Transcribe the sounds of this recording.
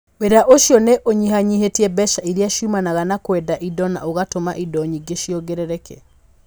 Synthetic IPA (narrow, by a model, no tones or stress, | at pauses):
weɾaʔoʃjɔneʔoɲihaɲiɦetiɛbɛʃaiɾiaʃumanaɣanakwɛdaʔidɔna̰oɣatomaʔidɔɲiɡeʃjɔɡeɾɛɾɛkɛ̰